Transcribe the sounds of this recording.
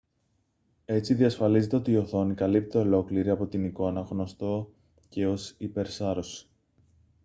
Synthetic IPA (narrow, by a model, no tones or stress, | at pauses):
e̞t͡siðiɐsfɐlize̞t̪e̞o̞t̪iio̞θo̞nikɐlip̚t̪eo̞lo̞kliɾiɐpo̞t̪iniko̞nɐɣno̞st̪o̞ | ce̞o̞sipe̞ɾsɐɾo̞si̥